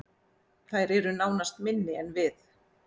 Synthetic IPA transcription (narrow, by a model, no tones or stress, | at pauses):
θajɾɛɾʏnaːwnast̪mɪnːɪɛnvɪθ